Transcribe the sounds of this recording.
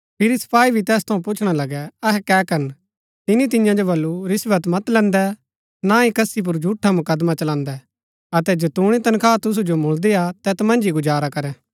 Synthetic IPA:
pʰɪɾisɐ̥pʰaːibʱit̪ɛːst̪ʰɐũpʊt͡ʃʰɽ̃alɐɡɛɐɦɛkɛːkɐɾən | t̪ɪnit̪̬ɪ̃jãd͡ʒobɐlːuɾɪsʋət̪mɐt̪lɛ̃ːnd̪ɛ | naikɐsip̬ʊɾd͡ʒʱuːʈʰːamʊkəd̪mat͡ʃɐlãːnd̪ɛ | ɐt̪ɛd͡ʒɐt̪uːɽ̃it̪ɐnkʰaːt̪ʊs̬ud͡ʒomʊɭd̪eat̪ɛt̪mɐ̃nd͡ʒiɡʊd͡ʒaːɾakɐɾɛ̃ː

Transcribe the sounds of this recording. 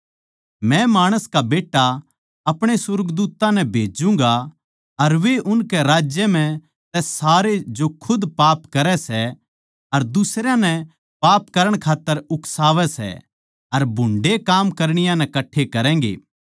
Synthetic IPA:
mɛ̃maːɽ̃əskabeːʈːa | ɐpɽ̃esʊɾɡd̪uːt̪ːãnɛ̃bʱeːd͡ʒũŋ̆ɡa | ɐɾʋeʔʊnkɛɾaːd͡ʒjəm̤ɛ̃ | t̪ɛːaːɾed͡ʒokʰʊd̪paːpkɐɾɛsɛ | ɐɾd̪ʊsɾjãnɛ | paːpkɐɾəɽ̃kʰaːt̪ːəɾʊksaːʋɛsɛ̰ | ɐɾbʱʊ̃ɳɖekaːmkɐɾɽ̃ɪjãnɛ̃kɐʈʰːekɐɾɛ̃ːŋɡḛː

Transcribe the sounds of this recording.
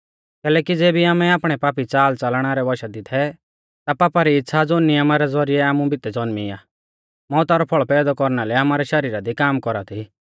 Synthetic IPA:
kɛːlɛːkid͡zeːbʱiaːmɛaːpɽ̃ɛpaːpit͡saːlt͡salɽ̃aɾɛʋɔʃad̪ɪt̪ʰɛ | t̪apaːpaɾiɪt̪ːsʰad͡zoːnɪjɐmaɾɛd͡zɔɾiɛaːmũbʱɪt̪ɛd͡zɔnmiaː | mɔːt̪aɾɔpʰɔɭpɛːd̪ɔkɔɾñalɛaːmaːɾɛʃɐɾiːɾad̪ikaːmkɔɾat̪ʰi

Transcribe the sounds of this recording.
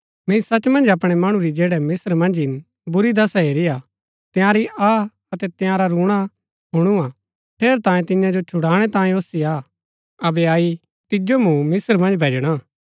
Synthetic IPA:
mẽĩsɐt͡ʃmɐ̃nd͡ʒɐp̬ɽ̃ɛmɐɽ̃ũɾid͡ʒeːɽɛmɪsəɾmɐ̃nd͡ʒɪn | bʊɾid̪ɐsaɦeːɾia | t̪jãːɾia | ɐt̪ɛt̪jãɾaɾuːɽ̃a | ɦʊɽ̃uãː | pʰeːɾt̪ãːjẽt̪ɪ̃ɲãd͡ʒot͡ʃʰʊɽaːɽ̃ɛt̪ãːẽoːsiaː | ɐbɛaːi | t̪ɪd͡ʒomũmɪsəɾmɐ̃nd͡ʒbʱeːd͡ʒɽ̃a

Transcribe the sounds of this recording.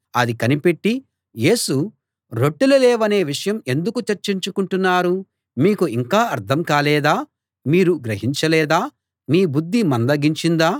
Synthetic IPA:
ɐd̪ikɐnipe̞ʈːi | je̞ːsu | ɾo̞ʈːulɐlɛːʋɐne̞ːʋiʂɐjɐme̞nd̪ukut͡ʃɐɾt͡ʃiɲt͡ʃukuɳʈunːaːɾu | miːkuiŋkaːɐɾt̪ʰɐmkaːlɛːd̪aː | miːɾuɡɾɐɦiɲt͡ʃɐlɛːd̪aː | miːbud̪ʱːimɐnd̪ɐɡiɲt͡ʃind̪aː

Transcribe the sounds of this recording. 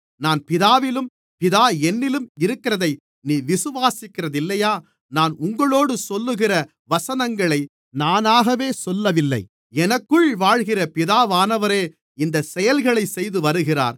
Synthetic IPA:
naːnpɪðaːʋɪlɯm | pɪðaːɛnːɪlɯmɪɾɯkːɪɾɐðɐɪ | niːʋɪsɯʋaːsɪkːɪrɐðɪlːɐjaː | naːnʊŋɡɐɭoːɽɯsɔlːɯɣɪrɐ | ʋɐsɐnɐŋɡɐɭɐɪ | naːnaːɣɐʋeːsɔlːɐʋɪlːɐ̰ɪ | ɛnɐkːɯɭʋaːɻɣɪrɐpɪðaːʋaːnɐʋɐɾeː | ɪnd̪ɐsɛjɐlɣɐɭɐɪsɛjðɯʋɐɾɯɣɪra̰ːɾ

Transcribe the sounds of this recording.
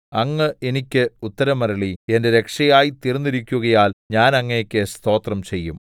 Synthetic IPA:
ɐŋːɐe̞nikʲːɨut̪ːɐɾɐmɐɾɐɭie̞ndeɾe̞kʂɐjaːjit̪irnːiɾikʲːuɣɐjaːlɲaːnɐŋːɐekʲːest̪o̞ːt̪rɐmt͡ɕe̞jːum

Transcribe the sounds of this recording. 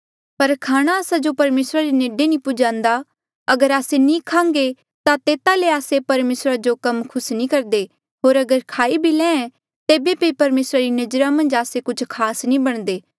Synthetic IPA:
pɐɾkʰaːɽ̃aəsad͡ʒopɐɾmeːsɾaɾineːɖenĩpʊd͡ʒãːnd̪a | ɐɡəɾaːsenĩːkʰãːŋɡe | t̪at̪eːt̪aleaːsepɐɾmeːsɾad͡ʒokɐmkʰʊsnĩkɐɾd̪e | ɦoːɾɐɡəɾkʰaːibʱilɛ̃ːɛ̃ | t̪eːbepɐipɐɾmeːsɾaɾinɐd͡ʒɾamɐ̃nd͡ʒaːsekʊt͡ʃʰkʰaːsnĩbɐɽ̃d̪eː

